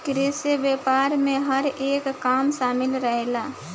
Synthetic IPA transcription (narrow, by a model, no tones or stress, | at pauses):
kɾeːsebeːpaːɾmẽɦəɾeːkːaːmʃaːmɪlɾəɦelaː